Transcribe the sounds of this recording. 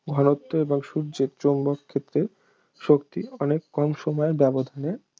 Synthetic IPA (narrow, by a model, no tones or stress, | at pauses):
ɡʱɔnot̪ːoeboŋʃuɾd͡ʑeɾt͡ɕombokʰːet̪ːɾe | ʃokt̪iɔnekːɔmʃɔmɔeɾbɛbod̪ʱane